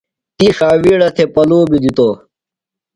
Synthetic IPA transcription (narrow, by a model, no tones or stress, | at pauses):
t̪ixaːwiːɽɐt̪ʰepɐloːbid̪it̪o